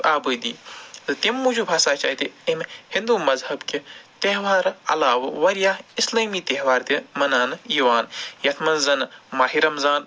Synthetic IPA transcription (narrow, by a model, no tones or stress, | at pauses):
aːbɨːd̪iːt̪ɨt̪imːud͡ʒubʱaːsaːt͡ʃa̰ːt̪iemhɪ̃nd̪uːmɐzhɐbket̪eɦʋaːɾɐ̰laːʋʋɐɾjaːɦɪslaːmiːt̪eɦʋaːɾt̪imɐnaːniːʋaːnjɐt̪ʰmɐnzɐnmaːɦiɾɐmzaːn